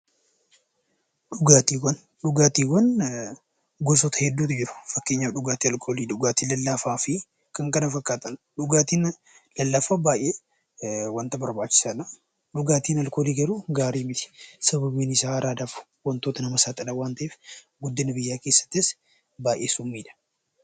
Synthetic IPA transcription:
ᶑʊɡaːt̪iːwɐn | ɗʊɡaːt̪iːwɐn | ɡɔsɔt̪ɐhɛd̪ːuːt̪ɪd͡ʒɪɾʊ̥fɐkːe̞ːɲːaᶑʊɡaːt̪iɐlkʰo̞ːliːᶑʊɡaːt̪iːlɐlːafaːfɪ | kɐŋkɐnɐfɐkːaːt̪ʼɐn | ᶑʊɡaːt̪iːn | lɐlːafaːbaːjʔeː | wɐnt̪ɐbɐɾbaːt͡ʃːɪ̥sɐna | ᶑʊɡaːt̪iːnɐlkoːliːɡɐɾuɡaːɾiːmɪt̪ɪ̥sɐβɐbiːnɪsaːɾaːd̪aːf | wɐnt̪o̞ːt̪ɐnɐmɐsaːt̪ʼɐɗɐwaːnt̪ɐʔeːf | ɡʊd̪ːɪnɐbɪjːaːke̞ːsːɐ̥t̪ːɪs | baːʔeːsʊmːiːᶑɐ̥

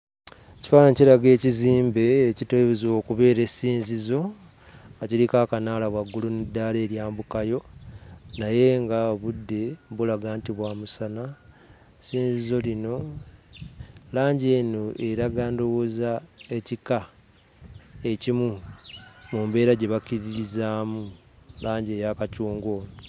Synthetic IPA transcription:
ci̥faːnaciɾaɡe̞ːciziːmbe̞ːciteβezo̞ːkuβe̞ːɾe̞siːnzizo̞ | aciɾikakanaːlaβwaɡːulunidːale̞ːɾjaːmbukajo̞ | naje̞ŋɡaβudːe̞βulaɡaːntiβwaːmusana | siːnzizo̞lino̞ | laːɲɟe̞ːnoe̞ɾaɡaːndo̞wozae̞cika | e̞cimu | mumbe̞ːɾaɟe̞βakiɾiɾizaːmu | laːɲɟe̞ːjakacuːŋɡo̞ːnu

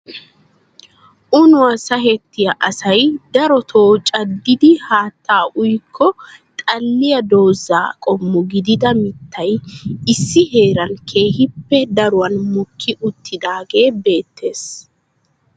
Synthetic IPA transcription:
ʔʊnʊwɐsɐɦɛt̪ːɪjɐʔɐsɐjd̪ɐɾɔt̪ʰoːt͡ʃʼɐd̪ːɪd̪ɪhaːt̪ːaːʔʊjkʰːɔt̪ʼɐlːɪjɐd̪o̞ːza̰ːkʼɔmːʊɡɪd̪ɪd̪ɐmɪt̪ʰːɐjɪsːɪɦe̞ːɾɐnkʰe̞ːhɪpːɛd̪ɐɾʊwɐnmʊkʰːɪʔʊt̪ʰːɪd̪aːɡe̞ːbe̞ːt̪ːe̞ːs

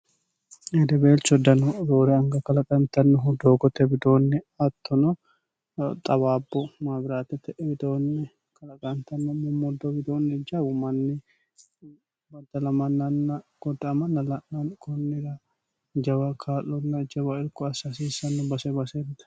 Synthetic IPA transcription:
ɛd̪ɛbeːlt͡ʃːɔd̪ɐnɔɾoːɾɛɐŋɡɐkɐlɐkʼɐnt̪ɐnːʊɦʊd̪oːɡɔt̪ɛbɪd̪oːnːɛ | ɐt̪ːɔnɔ | t̪ʼɐbaːbːɔmaːbɪɾaːt̪ɛt̪ːɛbɪd̪oːnːɛ | kɐlɐkʼɐnt̪ɐnːɔmɔmɔd̪ɔbɪd̪oːnːɛd͡ʒaːbʊmɐnːɪ | bɐd̪ɐlɐmɐnːɐnːɐɡ̥ɔd̪ːɐɐmɐnːɐlɐʔɐnkʰɔnːɪd̪ɐ | d͡ʒɐbɐkʰaːlːɔnːɐd͡ʒɐbɐɪɾkɔɐsasiːsɐnːʊbɐsɛbɐsend̪ɐ̥

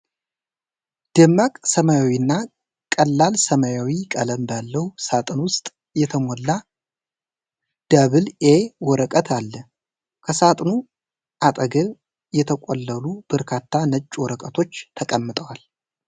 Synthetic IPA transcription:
d̪̥ɨmːakʼsəmajawinːa | kʼəlːalsəmajawikʼələmbalːəwsat̪ʼɨnwʊst̪ʼ | jɛt̪ʰəmolːa | d̪̥əβɨlewɔɾəkʼət̪ʰalːə | kʰəsat̪ʼnu | ʔat̪ʼəɡəβ | jɛt̪ʰəkʼolːəlubəɾkʰat̪ʰːanət͡ʃʼːwɔɾəkʼət̪ʰo̞t͡ʃːt̪ʰəkʼəmːɨt̪ʼəwal

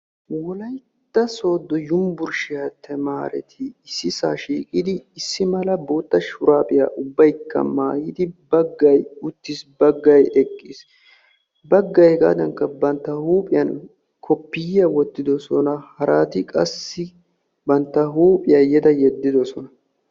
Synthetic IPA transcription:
wɔlɐj | t̪ːɐso̞ːd̪ːɔjʊmbʊɾʃɪjɐt̪ʰɛmaːɾɛ̰t̪ʰɪɪsːɪsaːʃiːkʼɪd̪ɪːsːɪmɐlɐbo̞ːt̪ːɐʃʊɾaːpʼɪja̰ːʔʊbːɐjkʰːɐ̰maːjɪd̪ɪbɐɡːɐjʊt̪ːɪsbɐɡːɐjɛkʼːɪs | bɐɡːɐjɡa̰ːd̪ɐŋkːɐbɐnt̪ːɐhuːpʼɪjɐn | kʰɔpːɪjɐwɔt̪ːɪd̪ɔsɔnɐhɐɾaːt̪ɪkʼɐsːɪ | bɐnt̪ːɐɦuːpʼɪjɐjɛd̪ɐjɛd̪ːɪd̪ɔsɔnɐ

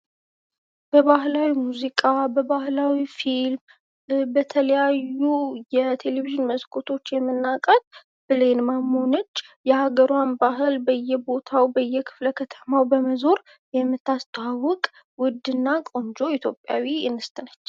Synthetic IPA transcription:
b̥əβahlawimuzikʼabəβahlawifilm | bət̪ʰələjajːujɛt̪ʰe̞leviʒɨnməzkʰot̪ʰo̞t͡ʃːjɛmːɨnːakʼət̪̚ʼ | b̥ɨlenmamhonət͡ʃːjɛhaɡəɾuwanbaɦɨlbəjːɛbo̞t̪ʰawbəjːɛkʰɨ̥fləkʰət̪ʰə̥mawbəməzo̞ɾ | jɛmːɨt̪ːast̪ʰʼawʊkʼ | wʊd̪ːɨnːakʼo̞nd͡ʒo̞it̪ʰjo̞pʼːja̰wijɛnːɨst̪ʼɨnət͡ʃː

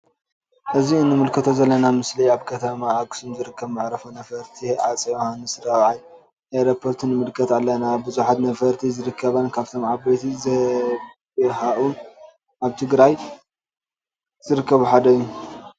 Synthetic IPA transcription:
ʔɨziɨnːɨmɨlkʰɐt̪ʰo̞zɐlːɐnamɨsliaβkʰɐt̪ʰɐmaːɡsumzɨɾɨkʰːɐβmɨʕɾɐfɐnɐfɐɾt̪ʰiʕat͡sʼihanːɨsɾawʕaj | ʔeɾopʰːo̞ɾt̪ʰɨnɨmɨlkʰɐt̪alːɐnabɨzuħat̪nɐfɐɾt̪ʰizɨɾɨkʰːɐβankʰaβt̪ʰo̞mʕabɐt̪ʰizɐ | ɦaʔun | aβt̪ʰɨɡɾaj | z̥ɨɾɨkːɐβuħad̪ɐjːu

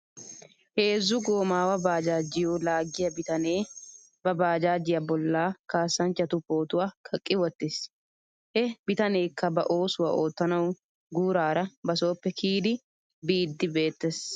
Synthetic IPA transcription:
he̞ːzːʊɡoːmaːwɐbaːd͡ʒaːd͡ʒɪjoːlaːɡːɪjɐbɪt̪ɐneː | bɐbaːd͡ʒaːd͡ʒɪjɐbɔlːaːkaːsːɐnt͡ʃːɐt̪ʊpːo̞ːt̪ʊwakʰɐkʼːɪwɔt̪ːɪs | hɛbɪt̪ɐne̞ːkːɐbɐʔo̞ːsʊwɐ̰ʔoːt̪ːɐnɐw | ɡuːɾaːɾɐbɐso̞ːpːɛkʰiːd̪ɪ | biːd̪ːɪbe̞ːt̪ːes

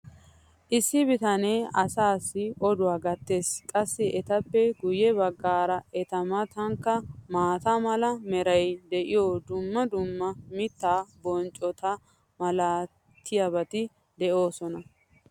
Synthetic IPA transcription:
ʔɪsːɪbɪt̪ɐneːɐsaːsːɪʔɔd̪ʊwaːɡɐt̪ːe̞ːskʼɐsːɪʔɛt̪ɐpːɛɡʊjːɛbɐɡːaːɾɐʔɛt̪ɐmɐt̪ɐŋkːɐmaːt̪ɐmɐlɐmɛɾɐjd̪ɛʔɪjoːd̪ʊmːɐd̪ʊmːɐmɪt̪ːaːbɔnt͡ʃʼɔt̪ɐ | mɐlaː | t̪ʰːɪjɐbɐt̪ɪ | d̪ɛʔo̞ːsɔnɐ

